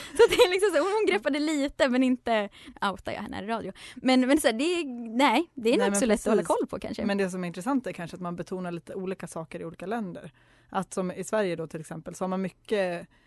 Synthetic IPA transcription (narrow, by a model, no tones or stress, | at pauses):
sɔat̪d̪ɛælɪksɔmsæːʊnhʊnɡɾɛpːad̪əliːt̪əmɛnɪnt̪əaʊt̪a̰jɑ̰ːɛ̰n̰ːɾɪɾɑːd̪jʊmɛnmɛnsɔæːɖɛnɛːd̪ɛæɾnuːsɔlɛt̪ːɔhɔlːakʰɔlːpʰɔkʰa̰nʂə̰mɛnd̪ɛsɔmɛæɾɪnt̪ɾɛsant̪æɾkʰanʂəat̪manbɛt̪ʰuːnaɭiːt̪əuːliːkasɑːkəɾɪuːliːkalɛnd̪ə̰ɾ | ʔat̪sɔmɪsvæɾjəd̪ɔt̪ʰɪlɛksɛmpəlsɔhaɾmanmʏkːə